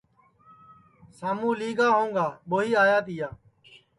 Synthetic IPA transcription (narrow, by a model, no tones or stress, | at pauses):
saːmũːliːɡaːɦõːŋɡaːɓoːɦiːaːjaːt̪ɪjaː